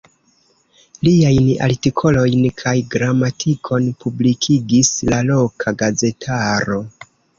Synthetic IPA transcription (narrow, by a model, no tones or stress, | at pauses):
liajna̰ltikʰo̞lo̞jnkʰajɡɾamatʰikʰo̞npublikʰiɡislalo̞kʰaɡaze̞tʰaɾo̞